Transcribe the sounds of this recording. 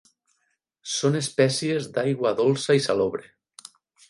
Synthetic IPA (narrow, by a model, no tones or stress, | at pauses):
sonespɛsiezd̪ajɣwaːðolˠsaisaloβɾe